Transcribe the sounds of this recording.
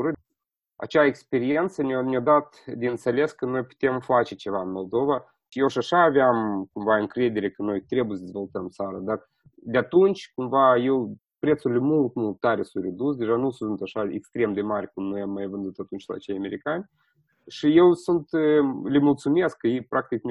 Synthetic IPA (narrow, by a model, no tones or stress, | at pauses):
ɾɨ | a̰t͡ʃaekspe̞ɾient̪sənnʲiad̪at̪d̪ʲeɨnt̪sele̞skəno̞jpu̥t̪e̞mfat͡ʃe̞t͡ʃe̞vaɨnmo̞lˠd̪o̞va | ʃjewʃiaʃaːveamkumvaɨŋkɾe̞d̪e̞ɾʲe̞kəno̞jt̪ɾe̞bujesəd̪ezvo̞lˠt̪əmt̪saɾad̪ar | d̪eat̪unt͡ʃʲkumvaje̞w | pɾe̞t̪suɾilʲemult̪mulˠt̪ːaɾʲesunt̪red̪usd̪e̞ʒanusunt̪aʃaḛkst̪ɾe̞md̪e̞maɾʲkumnojamːajvɨnd̪ut̪at̪unt͡ʃʲla̰t͡ʃejame̞ɾikanʲ | ʃije̞wsunt̪lemult̪sume̞skːəjejpɾak̚t̪ikn